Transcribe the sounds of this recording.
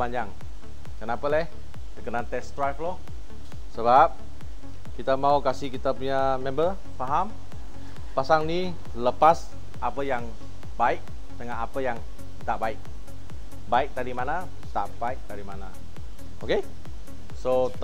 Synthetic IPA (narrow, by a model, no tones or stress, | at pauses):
baɲaŋ | kənapəlɛh | dəkənant̪ɛst̪ɾajflɔh | səbap̚ | kit̪amaukasihkit̪apuɲa | mɛ̃mbə | faɦam | pasaŋni | ləpas | ʔapəjaŋ | baɪk̚ | t̪əŋaʔapəjaŋ | t̪aʔbaɪk̚ | baɪk̚d̪aɾimana | t̪a̰ʔbaɪk̚d̪aɾimana | oke | so